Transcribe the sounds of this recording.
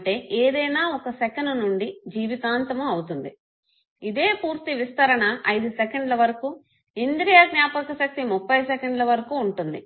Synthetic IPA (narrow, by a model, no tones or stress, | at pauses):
ʈe̞ːʔeːd̪ɐjnaːɔkɐsɛkɐnɐnuɳɖid͡ʒiːʋit̪aːnt̪ɐmuɐwut̪und̪i | id̪e̞ːpuːɾt̪iʋist̪ɐɾɐnɐʔɐjd̪usɛkeɳɖlɐʋɐɾɐku | ind̪ɾijaɡnjaːpɐkɐʃɐk̚t̪imupːɐjsɛkeɳɖlɐʋɐɾɐkuːɳʈund̪i